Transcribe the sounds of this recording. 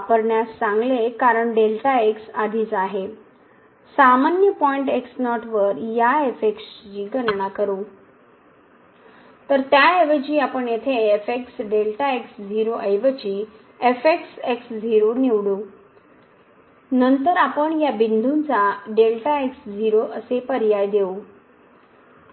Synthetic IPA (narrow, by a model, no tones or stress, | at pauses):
apəɾɳjasːãŋɡlekaɾəɳɖelʈaeksad̪ʱiːt͡saɦe | samanjəpɔiɳʈeksnɔʈʋəɾjaefekst͡ɕiːɡənɳakəɾu | t̪əɾt̪jaeʋət͡ɕiːapəɳjet̪ʰeːfeksɖelʈaeksd͡zʱiɾoʔəjʋət͡ɕiː | efekseksd͡zʱiɾoniʋɽo | nənt̪əɾapəɳjabind̪ʱunt͡saɖelʈaeksd͡zʱiɾoʔəsepəɾjajd̪eo